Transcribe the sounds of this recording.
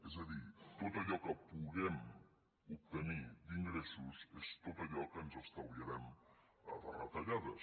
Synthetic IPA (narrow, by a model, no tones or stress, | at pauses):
ezaðit̪ot̪aʎɔkəpuɣɛm | up̚t̪ənid̪iŋɡɾesuzest̪ot̪aʎɔkənzəst̪awliaɾɛm | ɐ̰ðə̰rat̪aʎaðəs